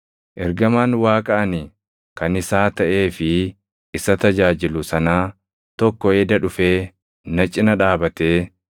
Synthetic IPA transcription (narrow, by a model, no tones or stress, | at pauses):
ʔɛɾɡɐmaːnwaːkʼɐʔɐnɪ | kɐnɪsaːt̪ɐʔe̞ːfɪː | sɐt̪ɐd͡ʒaːd͡ʒɪlʊsɐnaː | t̪ɔkːɔeːd̪ɐᶑʊfe̞ː | nɐt͡ʃʼːɪnɐᶑaːbɐt̪eː